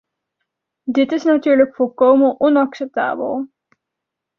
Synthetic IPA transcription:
dɪtɪsnatyːɹləkfɔlˠkowmənʔɔnɑksɛp̚ta̰ːbə̰lˠ

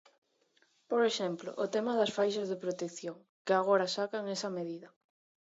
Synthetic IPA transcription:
poɾeʃɛmplo̰ʔʊt̪emɐðɐsfajʃɐzðɪpɾot̪ekθjoŋ | kɪaɣ̞oɾɐsakaŋɛsɐmeðiðɐ

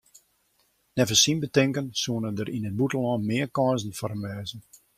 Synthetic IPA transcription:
nɛvəsinbətɪŋkənsuənədəɾʔinəd̚butəlɔnmɪəkɔːzn̩fɔɾənʋɛːzən̩

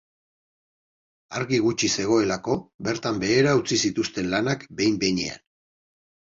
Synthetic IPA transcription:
aɾɣiɣut͡ʃise̞ɣ̞o̞e̞lako̞βe̞ɾt̪ambe̞ːɾaut͡sisit̪ust̪e̞nlanakbe̞jmbe̞jɲe̞̰a̰n

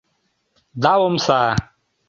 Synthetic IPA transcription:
d̪awomsa

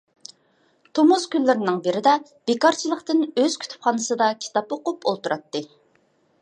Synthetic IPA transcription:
t̪ʰomuz̥kʲylːɪɾɪnɪŋbɪɾɪd̪ɛ | b̥ekɑɾt͡ʃʰilˠəqt̪ɨnøz̥kʲy̥t̪ʰy̥pχɑːnɨsɨd̪ɑkʲʰi̥t̪ɑpoqʊpolˠt̪uɾɑt̪ːɨ

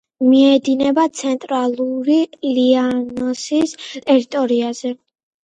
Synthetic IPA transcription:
miɛd̪inɛbat̪sʰɛnt̪ʼɾalˠuɾilianɔsist̪ʼɛɾit̪ʼɔɾiaz̥ɛ

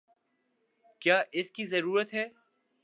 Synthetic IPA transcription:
kjaːʔɪskizɐɾuːɾət̪ɦɛː

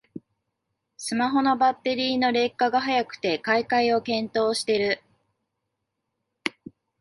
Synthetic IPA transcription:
sɨmaɦo̞no̞bat̪ːe̞ɾʲiːno̞ɾe̞kːaɡaɦajakɯ̟̥t̪e̞kaikaio̞kẽ̞nt̪o̞ːɕi̥t̪e̞ɾɯ̟

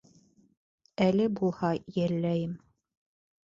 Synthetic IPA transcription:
ælɘbulˠhɑjæɾlːæjɘm

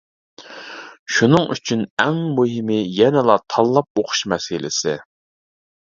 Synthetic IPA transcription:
ʃunɨŋʔy̰t͡ʃʰynɛŋmoɦɪmɪjɛnɪlˠɑt̪ʰɑlˠːɑp̚oqʰʊ̥ʃmɛsɪlɪ̰sɪ

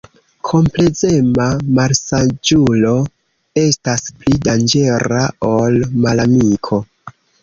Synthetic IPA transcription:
kʰo̞mple̞ze̞mamaɾsad͡ʒulo̞ | e̞stasplidand͡ʒe̞ɾa̰o̞lmalamikʰo̞

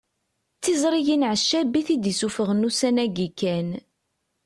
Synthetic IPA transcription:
t͡sːizɾˤijinʕəʃːæbiθid̪isufəʁənːusænæɡikːæn

